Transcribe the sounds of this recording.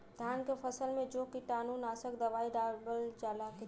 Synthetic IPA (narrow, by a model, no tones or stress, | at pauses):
d̪ʱjankepʰəsəlmed͡ʒokiʈanunasəkd̪əʋaiɖabəld͡ʒalaki